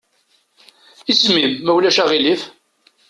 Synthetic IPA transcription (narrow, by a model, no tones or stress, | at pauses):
ismimːæwlæʃæʁilif